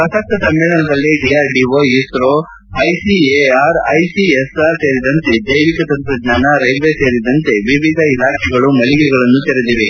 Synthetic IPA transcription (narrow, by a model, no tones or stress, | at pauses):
pɐsɐk̚t̪ɐsɐmːɛːɭɐnɐd̪ɐlːiɖijaːɾɖiʋoisɾo | ɐjsieaːɾɐjsiesaɾseːɾid̪ɐnt̪e̞d̪ɐjʋikɐt̪ɐnt̪ɾɐɡ̪ɲaːnɐɾɐjʋeseːɾid̪ɐnt̪e̞ʋiʋid̪ʱɐilaːkʰɛɡɐɭumɐɭiɡɛɡɐɭɐnːut̪eɾed̪iʋe